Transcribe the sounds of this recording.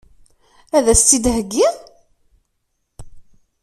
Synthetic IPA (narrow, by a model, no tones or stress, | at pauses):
æðæst͡s̪ːid̪ɦəɡːiʁ